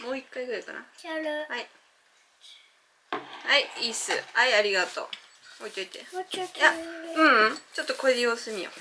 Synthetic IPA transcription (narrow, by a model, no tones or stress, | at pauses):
mo̞ːikːaiɡɯ̟ɾajka̰na̰hai | haiiːsɨ̰aiaɾʲiɡat̪o̞̰ː | oit̪o̞it̪ejaɯ̟̃ɴ̃t͡ɕo̞t̪ːokoed̪ʲejoːsɨmʲio̰